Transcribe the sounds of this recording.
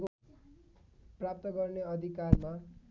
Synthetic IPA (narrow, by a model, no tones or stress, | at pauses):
prap̚t̪ʌɡʌrneʌd̪ʱikarma